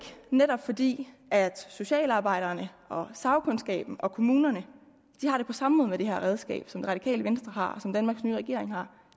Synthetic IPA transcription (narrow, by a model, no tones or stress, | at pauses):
ɡ̥neɾɒ̽b̥fɒ̽d̥ḭːæd̥so̝ɕɛ̰ːlɑ̈ːb̥ɑ̈ɪ̰ɾ̥ɐnə | ɒ̽sɑ̈ʊkʰɔ̽nsɡ̥ɛ̰ːb̥n̩ɒ̽kʰo̝muːnɐnə | d̥ihɑ̈ɾe̝pʰɒ̽sɑ̈mmo̝ðˠmed̥e̝hæɐʁɛð̞ˠsɡ̥ɛ̰ːb̥sɒmd̥eʁɑ̈d̥i̥kʰɛ̰ːləʋensd̥ʁɐɦɑ̈ɒsɒ̽md̥ænmɑ̈ɡsnyːʁɛɡ̥e̝ɐe̝ŋɦɑ̈